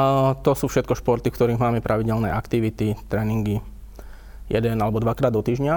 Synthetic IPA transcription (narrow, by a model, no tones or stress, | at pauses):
t̪ɔsuːfʃɛt̪̚kɔʃpɔɾt̪ifkt̪ɔɾiːɣmaːmɛpɾʔaʋiɟɛlnɛ̰ːʔakt̪iʋit̪it̪ɾɛːniŋɡi | jɛd̪ɛnalɛbɔd̪ʋakɾaːd̪ɔt̪iːʒɲa